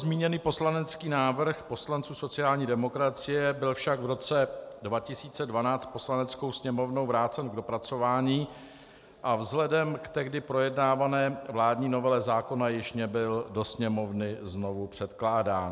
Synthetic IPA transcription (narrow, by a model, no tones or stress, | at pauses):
zmiːɲɛniːpo̞slanɛt͡skiːnaːvr̩xpo̞slant͡suːso̞t͡sɪjaːlɲiːdɛmo̞kɾat͡sɪjɛbɪlfʃaɡvɾo̞t͡sɛdvacɪsiːt͡sɛdvanaːt͡st̪̚po̞slanɛt͡sko̞wsɲɛmo̞vno̞wvɾaːt͡sɛnɡdo̞pɾat͡so̞vaːɲiː | ʔavzɦlɛdɛmkt̪ɛɣdɪpɾo̞jɛdnaːvanɛːvlaːdɲiːno̞vɛlɛzaːko̞najɪʃnɛbɪldo̞sɲɛmo̞vnɪzno̞vupr̝̥ɛt̪klaːdaːn